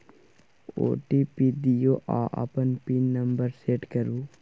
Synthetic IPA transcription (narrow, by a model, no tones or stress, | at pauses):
o̰ːʈipid̪ijoːʔa̰ːʔɐ̰pənpinːɐmbəɾseːʈkɐɾuː